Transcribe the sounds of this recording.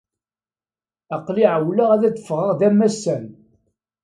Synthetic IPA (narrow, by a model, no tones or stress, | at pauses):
ɑqliʕəwləʁæðæt͡sːə̥fʁəʁðæmːæsːæn